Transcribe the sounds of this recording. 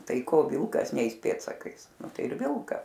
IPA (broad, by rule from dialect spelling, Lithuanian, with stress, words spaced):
ˈtɐɪ ˈkoː ˈʋʲɪlˠkɐs ˈnʲɛɪs ˈpʲeːtsɐkɐɪs nʊ ˈtɐɪ ɪr ˈʋʲɪlˠkɐ